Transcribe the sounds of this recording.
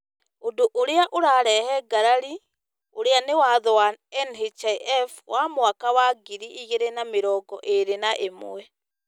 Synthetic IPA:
odoʔoɾeaʔoɾaɾɛhɛɡaɾaɾi | oɾeanewaðɔwanɛnhit͡ʃaɛfwamwakawaɡiɾiʔiɣeɾenameɾɔːɡɔ̰ʔeɾenaʔemo̰wɛ

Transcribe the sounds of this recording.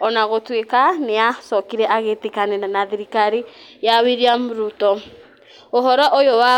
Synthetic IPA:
ɔnaɣotwekaneasɔkiɾɛʔaɣetekanenanaðiɾikaɾijawiɾiamuɾutɔ | oɦɔɾɔʔojowa

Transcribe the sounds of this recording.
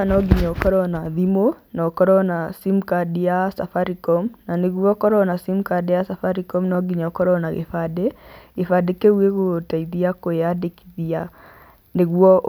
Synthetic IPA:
anɔɡiɲɔkɔɾɔnaðimonɔkɔɾɔnasimkadijasafaɾikɔmnaneɣwɔkɔɾɔnasimkadɛjasafaɾikɔmnɔɡiɲɔkɔɾɔnaɣḛfadeɣefadekeweɣotaiðiakojadeki̥ðia | neɣwɔʔ

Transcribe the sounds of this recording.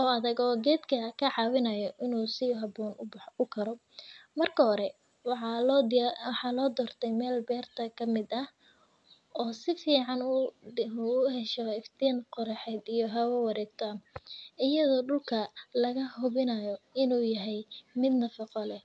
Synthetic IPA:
ɔːɐðɐɡɔːɡɛːd̪kʰɐkʰɐʕɑːwɪnɐjɔʔɪnuːsɪɦɐbɔːnʊbʊkʰɐɾɔ | mɐrkʰɐɦɔɾɛ | w̪ | wɑħɑːlɔːd̪ɔːrt̪ʰɛjmɛːlbɛːrt̪ʰɐkʰɐmɪd̪ɐh | ɔːsɪfiːʕɑn | uʊɦɛʃɔɪft̪ʰiːnqɔɾɐħɛd̪ijɔɦɐwɛwɑɾɛːɡ̚t̪ʰaːnʔɪjɐðɔːɖʊlkʰɐlɐɣɐhʊβɪnɐjɔɪnuːjɐɦɛjmɪd̪nɐfɪqɔlɛ

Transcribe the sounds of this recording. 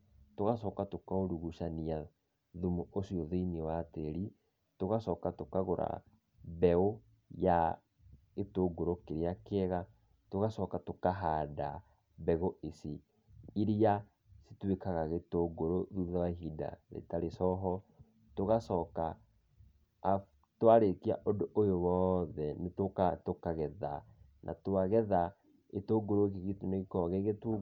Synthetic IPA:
toɣasɔːkatokaoɾuɣuʃania | ðumuʔosiɔðoiniwateɾi | toɣasɔːkatokaɣoɾa̰ | bɛo | ja | ɣetoːɡoɾokeɾeakeɛɣa | toɣasɔkatokaɦaːda | bɛɣoʔesi | iɾia | si̥twekaɣaɣetoɡoɾoðuðawaɦida̰ɾḛtaɾesɔɦɔ | toɣasɔːka | twaɾekia̰ʔodoʔojowɔðɛnetokatokaɣɛða | nʔa̰twaɣɛða | etoːɡoɾoɣeɣetoneɣekɔɣeɣet

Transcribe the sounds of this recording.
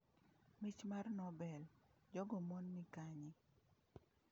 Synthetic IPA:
mit͡ʃmarnɔbɛld͡ʒɔɡɔmonmikaɲɪ

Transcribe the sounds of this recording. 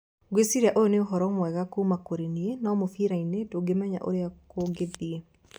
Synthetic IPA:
ɡesiɾaʔooneoɦɔɾɔmwɛɣakomakoɾenienɔmofiɾainetoɡemaɲa̰ʔo̰ɾeakoɡeðie

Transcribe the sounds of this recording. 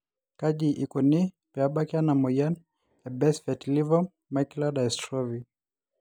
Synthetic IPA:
kaʄiʔikɔni | pɛaɓakjanamɔjan | ɛbɛsfɛtlivɔ | makiladaɛstɾɔvi

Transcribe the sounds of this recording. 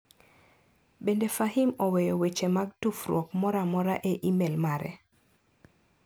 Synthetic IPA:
bendefaɦimɔwejɔwet͡ʃemaɡ̚tufrwɔkmɔɾamɔɾaʔeʔimelmaɾɛ̰

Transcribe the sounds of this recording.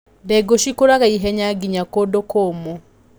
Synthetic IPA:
dɛɡoʃikoɾaɣaiɦɛɲaɡiɲakodokoːmo

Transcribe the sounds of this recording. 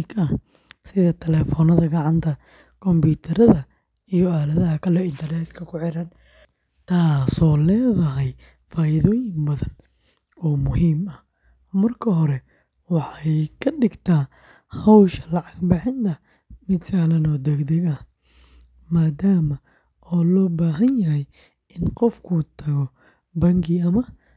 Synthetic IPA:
kʰɐh | sɪðɐt̪ʰɛlɛːfɔnɐðɐɡɑʕɑnt̪ʰɐ | kʰɔmbuːt̪ʰɐɾɐðɐ | ijɔaːlɐðɐɦɐkʰɐlɛɪnt̪ʰɐrnɛːt̪kʰɐkʰʊʕɪɾɐn | t̪ʰaːsɔːlɛːðɐɦɛj | faːɪðɔːjɪmbɐðɐn | ɔːmʊhiːmɐh | mɐrkʰɐɦɔɾɛ | wɑħɑjkʰɐɖɪɡt̪ʰaː | hɐwʃɐ̥lɑʕɑɡbɪħɪnt̪ʰɐ | mɪd̪saːlɐnɔːd̪ɛɡd̪ɐɡɐ | maːd̪aːmɐ | ɔːlɔːbaːɦɐnjɐɦɛj | ɪnqɔfkʰut̪ʰɐɣɔ | bɐŋkiɐmɐ

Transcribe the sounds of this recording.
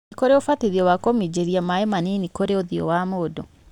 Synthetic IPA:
ikoɾeofatiðiɔwakomid͡ʒeɾiamaemaninikoɾeoðiɔ̰wamoːdo

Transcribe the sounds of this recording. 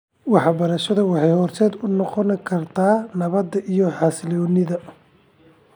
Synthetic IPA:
wɑħɑbɐɾɐʃɐðɐwɑħɑjhɔːrt̪ʰɛːd̪ʊnɔqɔnkʰɐrt̪ʰaːnɐβɐd̪ɐʔijɔħɑslɔːnɪðɐ

